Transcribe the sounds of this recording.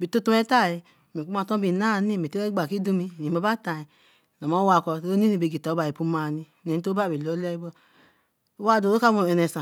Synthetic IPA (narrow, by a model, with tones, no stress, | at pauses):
bi˨to˦to˦e˦ta˦˨i˨ | me˨u˦ma˨to˦bi˨na˦˨ni˦˨me˨te˦e˦ɡ͡ba˨ki˦du˦mi˦˨i˨a˨ba˦ta˨i˨ | no˨ma˦wa˨kɔ˨˦o˦n˦i˦i˨be˨ɡi˨to˨˦ba˨i˨pu˦ma˨ni˦˨ne˨ni˦to˦ba˦˨bi˨lo˨˦le˦i˦bɔ˦ | wa˦˨do˨ɾo˦ka˦mo˨e˨ne˨sa˨